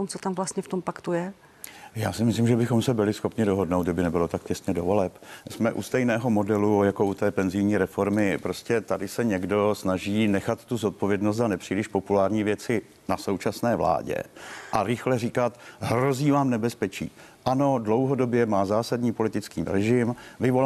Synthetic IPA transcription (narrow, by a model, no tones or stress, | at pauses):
tomt͡sot̪amvlast̪ɲɛft̪ompakt̪ujɛ | jaːsɪmɪslimʒɛbɪxo̞msɛbɪlɪsxo̞pɲɪdoɦodnowd̪dɪbɪnɛbɪlo̞t̪ak̚cɛst̪ɲɛdovo̞lɛpsmɛʔṵst̪ɛjnɛːɦo̞mo̞dɛlujako̞ʔut̪ɛːpɛnzɪjɲiːɾɛfo̞ɾmɪpɾo̞scɛt̪adɪsɛɲɛɡdo̞snaʒiːnɛxat̪ːuzot̪̚povjɛdnost̪zanɛpr̝̥iːlɪʃpo̞pulaːɾɲiːvjɛt͡sɪ | naso̞wt͡ʃasnɛːvla̰ːɟɛ̰ʔaɾɪxlɛriːkat̪ɦɾo̞ziːvaːmnɛbɛspɛt͡ʃḭːʔano̞dlo̞wɦo̞do̞bjɛmaːzaːsadɲiːpo̞lɪt̪ɪt͡skiːɾɛʒɪmvɪvo